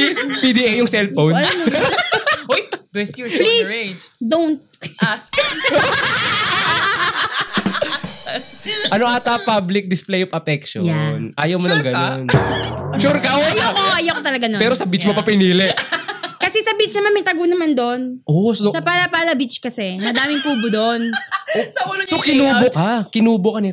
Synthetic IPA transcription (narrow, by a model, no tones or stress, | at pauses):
pid̪iʔejːʊŋsɛlfownlaɐ | ojbɛstplised͡ʒd̪ownt̪̚as | ʔɐnoʔaːt̪ɐpablɪk̚d̪ɪsplɛjofɐpɛkʃojanʔaːjɐwmonɐŋɡɐnonʃuɾkɐʔooʔɐjokot̪ɐlɐɡanopɛːɾosɐbit͡ʃmopɐpɪniːlɪʔkɐsɛsɐbit͡ʃnɐmanmɐjt̪ɐɡuːnɐmand̪onʔossɐpalɐpaːlɐbɪt͡ʃkɐsɛmɐd̪aːmɪŋpuːbʊd̪onsɐulsokɪnuːbokakɪnuːbokɐnɪt̪